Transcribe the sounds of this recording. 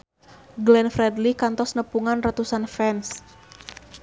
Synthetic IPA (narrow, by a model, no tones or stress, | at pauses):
ɡlɛnfɾɛd̪likant̪ɔsnəpuŋanrat̪usanfɛns